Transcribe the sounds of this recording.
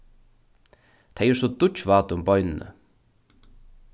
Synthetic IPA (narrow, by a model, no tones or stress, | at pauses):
t̪ʰɛɪsɔd̪ʊt͡ʃʋɑːt̪ʊmbɔʏnnə̰